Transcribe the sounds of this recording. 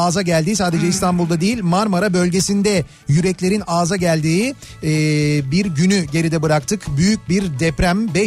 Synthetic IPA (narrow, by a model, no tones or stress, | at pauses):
aːzaɟælʲd̪iːsaːd̪e̞d͡ʒɛist̪ʰanbulˠd̪ad̪ejilʲmaɾmaɾabø̞lʲɟe̞sind̪ɛ | jyɾɛclʲe̞ɾinaːzaɟælʲd̪iː | biɾɟynyɟe̞ɾid̪ɛbɯɾakt̪ʰɯkbyjyc̚biɾd̪ɛpɾæmbɛ